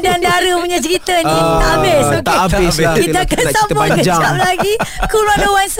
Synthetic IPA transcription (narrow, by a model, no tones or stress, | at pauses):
diand̪aɾəpuɲat͡ʃəɾit̪əĩt̪aʔabɪsaabɪskit̪əakansambakəad͡ʒamlaɡikulmanowans